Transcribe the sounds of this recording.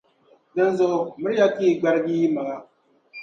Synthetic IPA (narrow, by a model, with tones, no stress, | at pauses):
dɨ˨n˦zʊ˨ʔʊ˨mɨ˦ɾja˦tiː˦˨ɡ͡ba˦ɾɡiː˦ma˨ŋa˦